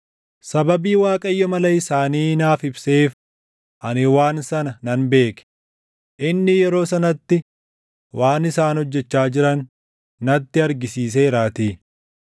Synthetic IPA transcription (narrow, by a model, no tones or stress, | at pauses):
sɐbɐbiːwaːkʼɐjːɔmɐlɐɪsaːniːnaːfɪbseːf | ʔɐnɪwaːnsɐnɐnɐnbe̞ːkɛ̥ | ʔɪnːɪjɛɾo̞ːsɐnɐt̪ːɪ | wʔaːnɪsaːnhɔd͡ʒːɛt͡ʃːaːd͡ʒɪɾɐnː | ɐt̪ːɪɐɾɡɪsiːs̬eːɾaːt̪iː